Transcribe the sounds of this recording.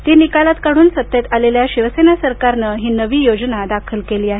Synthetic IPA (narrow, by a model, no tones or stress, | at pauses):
t̪iːnikalat̪kaɽ̃uːnsət̪ːjət̪aleljaɕiʋəsenasəɾkaɾnəɦiːnəʋiːjod͡znad̪akʰəlkeliːaɦe